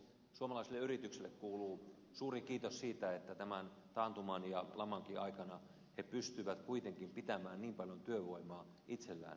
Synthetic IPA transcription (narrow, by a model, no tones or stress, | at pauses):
suomɑlɑˑiselːeyrit̪ykselːˑekkuːluː | suːrikiːt̪ossiːt̪æet̪ːæt̪æmæn | t̪ɑːnt̪umɑnjɑlʔɑmɑŋkiʔɑikɑnɑ | hepyst̪yʋæt̪kuit̪eŋkimpit̪æmæːnniːmpɑljont̪yøʋoimˑɑː | ʔit̪selːæ̰ːn